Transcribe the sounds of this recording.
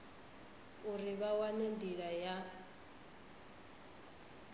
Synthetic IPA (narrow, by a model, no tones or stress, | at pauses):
uriβawanendiɺaja